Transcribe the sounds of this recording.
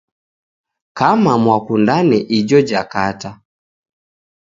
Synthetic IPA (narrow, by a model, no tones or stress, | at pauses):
kamamwakundanɛʔid͡ʒɔd͡ʒakata